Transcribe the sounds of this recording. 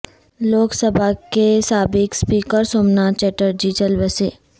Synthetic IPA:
loːksəbʱakesaːbɪkspiːkəɾsoːmnaːt͡ʃɛːʈəɾd͡ʒit͡ʃɐlweseː

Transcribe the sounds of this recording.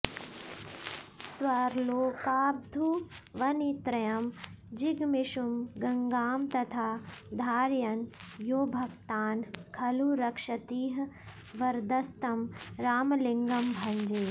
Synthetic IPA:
sʋɐɾloːkaːb̚d̪ʱuʋɐnit̪ɾɐjɐm | d͡ʒiɡmiʃumɡɐŋɡaːmt̪ɐt̪ʰaːd̪ʱaːɾjɐnjoːbʱɐkt̪aːnkʰɐluɾɐkʂɐt̪iːɦ | ʋɐɾd̪ɐst̪ɐmɾaːmliŋɡɐmbʱɐ̃ɲd͡ʒeː

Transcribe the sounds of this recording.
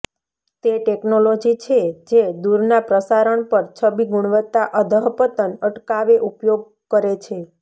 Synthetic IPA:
t̪eʈeknolod͡ʒit͡ʃʰed͡ʒed̪uɾnapɾəsaɾəɳpəɾt͡ʃʰəbiɡuɽ̃ʋət̪ːaʔəd̪ʱəɦpət̪ənəʈkaʋeʔupjoɡ̚ | kəɾet͡ʃʰe

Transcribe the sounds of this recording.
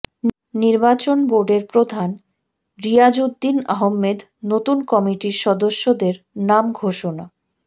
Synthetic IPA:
niɾbat͡ɕonboɾɖeɾpɾod̪ʱan | ɾijad͡ʑud̪ːinaɦomːed̪not̪unkɔmiʈiɾʃɔd̪oʃːod̪eɾ | namɡʱoʃona

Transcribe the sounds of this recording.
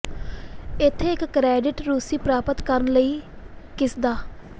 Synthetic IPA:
ɪt̪ʰːeːɪkːɾɛːɖɪʈɾuːsiːpɾaːpət̪kəɾənləiːkɪsd̪aː

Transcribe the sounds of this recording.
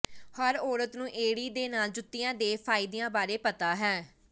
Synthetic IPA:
həɾɔːɾət̪nũːʔeːɽiːd̪eːnaːld͡ʒʊt̪ːɪjãːd̪eːpʰaːɪd̪ɪjãːbaːɾeːpət̪aːɦɛː

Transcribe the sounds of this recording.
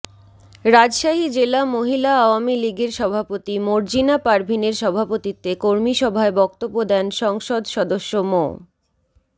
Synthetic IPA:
ɾad͡ʑʃaɦid͡ʑelamoɦilaaoamiliɡeɾʃɔbʱapot̪imoɾd͡ʑinapaɾbʱineɾʃɔbʱapot̪it̪ːekoɾmiʃɔbʱaebɔk̚t̪obːod̪ɛnʃɔŋʃod̪ʃɔd̪oʃːomo̰

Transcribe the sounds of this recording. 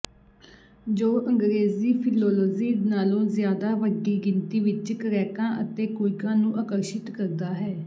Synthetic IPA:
d͡ʒoːʔəŋɡɾeːziːpʰɪlɔːlɔːziːnaːlõːzɪjaːd̪aːʋəɡiːɡɪnt̪iːʋɪt͡ʃkəɾɛːkãːʔət̪eːkoːɪkãːnũːʔaːkəɾʃɪt̪kəɾd̪aːɦɛː

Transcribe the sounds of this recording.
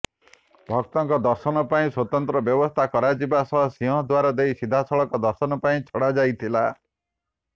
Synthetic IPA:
bʱɔk̚t̪ɔŋkɔd̪ɔɾsɔnɔpaĩswɔt̪ɔnt̪ɾɔbjɔbɔst̪ʰakɔɾad͡ʒibasɔɦɔsiɔ̃ɦɔd̪waɾɔd̪ejsid̪ʱasɔɭɔŋkɔd̪ɔɾsɔnɔpaĩt͡ʃʰɔɽad͡ʒajt̪ʰila

